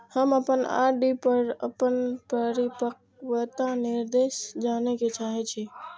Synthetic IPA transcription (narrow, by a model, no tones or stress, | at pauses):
həməpəna̰ɖipəɾə̰pənpɾəɾipək | wət̪aniɾd̪esd͡ʒaneket͡ʃaɦɛt͡ʃʰi